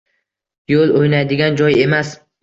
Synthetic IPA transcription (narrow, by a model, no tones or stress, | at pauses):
jolˠojnajd̪ɪɡʲand͡ʒɒje̞mas